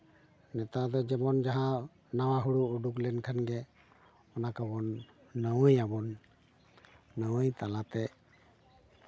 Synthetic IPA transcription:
nɛt̪ad̪ɔd͡ʒɛmɔnd͡ʒaɦã | nawaɦuɽuːɖuklɛnkʰanɡɛ | ɔnakabɔnː | əwəjabɔn | əwəjt̪alat̪ɛ

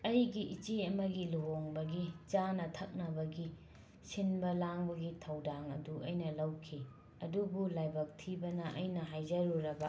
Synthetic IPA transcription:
ɐjɡiʔit͡ʃiɐmɐɡiluwoŋbɐɡit͡ʃanɐtʰɐk̚nɐbɐɡi | sinbɐlaŋbɐɡitʰɐwdaŋɐ̰duʔɐjnɐlɐwkʰi | ɐdubulajbɐk̚tʰibɐnɐʔɐjnɐɦajd͡ʒɐɾuɾɐbɐ

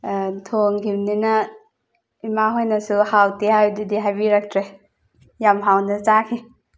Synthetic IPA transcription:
tʰoŋɡimninɐ | imaɦojnɐsuhawtihawdudiɦajbiɾak̚tɾe | jamɦawnɐzakʰi

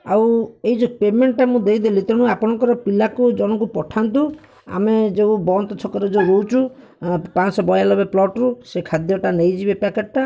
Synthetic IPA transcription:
awejd͡ʒɔpemeɳʈːamũd̪ejd̪elit̪eɽ̃ũapɔɽ̃ɔŋkɔɾɔpilakud͡ʒɔɽ̃ɔkupɔʈʰant̪u | a̰med͡ʒeubɔnt̪ɔt͡ʃʰɔkɔɾed͡ʒeɾowt͡ʃʰu | pansɔbɔjalɔbeplɔʈɾusekʰad̪jɔʈanejd͡ʒibepakeʈ̚ʈa

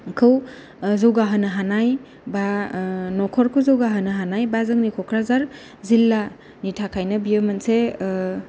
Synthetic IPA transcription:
kʰɯw | zowɡaɦɯnɯɦanaj | banɔkʰɔɾkʰuzowɡaɦənɐɦanajbazɯŋnikʰɔkʰɾazaɾ | zilːa | nitʰakʰajnɐbiɯmanse

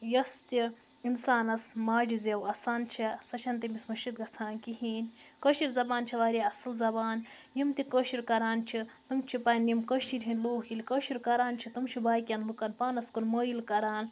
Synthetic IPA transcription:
jɐst̪i | insaːnɐsmaːd͡ʒizewɐsaːnt͡ʃʰisɐt͡ʃʰɐnt̪imismɐʃit̪̚ɡɐt͡sʰaːnkiɦiːnʲkəʃiɾzɐbaːnt͡ʃʰiʋaːɾʲiɐslzɐbaːn | jimt̪ikəʃiɾkɐɾaːnt͡ʃʰit̪umt͡ʃʰipɐnjimkəʃiɾʲɦinʲloːɦilʲkəʃiɾkɐɾaːnt͡ʃʰit̪umt͡ʃʰibaːjkʲjɐnmukɐnpaːnɐskunmɐːjilkɐɾaːn

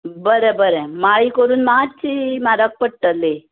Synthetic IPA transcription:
bəɾebəɾemaɭikəɾuːnmad͡ʑt͡ɕimaɾək̚pəɽʈəlːe

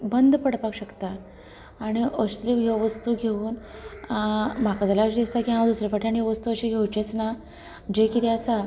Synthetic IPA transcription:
bənd̪pəɽpakɕəkt̪a | aɽ̃iəɕt̪ɾiʋɡʱeʋəst̪uɡʱeuːnamakad͡z̪alaəɕd̪ist̪akiɦãd̪usɾjapaʈʰiaɽ̃iʋəst̪uəɕiɡʱewt͡ɕet͡sna | d͡ʑekit̪ʰɛəsa

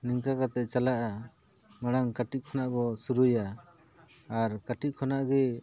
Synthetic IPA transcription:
niŋkakat̪ɛʔt͡ʃalaʔa | maɽ̃aŋkaʈit̪̚kʰɔnaʔbɔsuɾujaː | ɾkaʈic̚kʰɔnaʔɡɛ

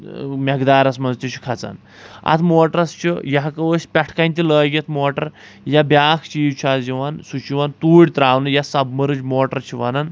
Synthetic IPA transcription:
mʲɐɡd̪aːɾɐsmɐnzt̪it͡ʃʰi̥kʰɐt͡sa̰n | ɐ̰t̪ʰmoːʈəɾɐst͡ʃʰijɐɦkɐʋəːsʲpʲɛʈʰkɐnʲt̪ʲiləːɡʲit̪ʰmoːʈɐɾ | jabjaːkʰt͡ʃiːwt͡ʃʰaːd͡ʒiʋansut͡ʃiʋant̪uːɽʲt̪ɾaːwnɨjasɐbmɐɾɨd͡ʒmoːʈɐɾt͡ʃʰiʋɐnɐn

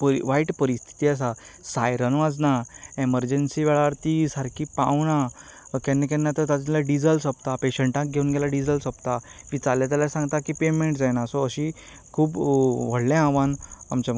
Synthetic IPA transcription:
pʋaiʈpəɾist̪ʰi̥t̪ias̬asajɾənʋad͡znaeməɾd͡ʑənsiːʋɛɭaəɾt̪isaɾkipãwnakɛnːekɛnːat̪əɾt̪at̪ilaɖid͡zəlsəpt̪apeɕəɳʈãk̚ɡʱeuːnɡɛlaɖid͡zəlsəpt̪amit͡saljat̪̬jalasãŋɡt̪akipemẽɳʈd͡zajnasɔəɕi | kʰuːbʋ̤əɽlɛ̃aʋãnamt͡ɕa

